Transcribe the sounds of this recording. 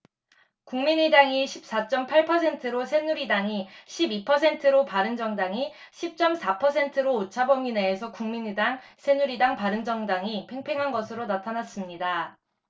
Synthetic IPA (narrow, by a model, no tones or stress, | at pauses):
kuŋmiɲidaŋiɕʰip̚s͈at͡ɕ͈ʌmpʰaɭpʰʌsʰe̞ntʰɯɾosʰe̞nuɾidaŋiɕʰibipʰʌs̬ʰe̞ntʰɯɾopaɾɯnd͡ʑʌŋdaŋi | ɕʰip̚t͡ɕ͈ʌmsʰapʰʌsʰe̞ntʰɯɾoːt͡ɕʰabʌŋine̞ːsʰʌkuŋmiɲidaŋsʰe̞nuɾidaŋpaɾɯnd͡ʑʌŋdaŋipʰe̞ŋpʰe̞ŋɦanɡʌsʰɯɾonatʰanas͈ɯmɲida